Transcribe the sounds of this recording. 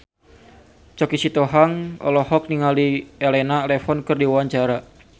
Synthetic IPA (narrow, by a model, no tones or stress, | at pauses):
t͡ʃɔkisit̪oɦaŋʔɔ̰lɔhɔk̚niŋalielɛnalɛfɔnkɨrdiwawaɲt͡ʃaɾa